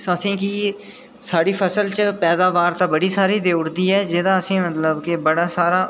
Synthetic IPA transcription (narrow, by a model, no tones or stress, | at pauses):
əsĩːkiː | saːɽiːpʰəsəlt͡ʃəpɛːd̪aːʋaːɾt̪aːbəɽiːsaːɾiːd̪eːʊɽd̪iːɛːd͡ʒɪd̪ãːəsĩːmət̪ləbkebəɽaːsaːɾaː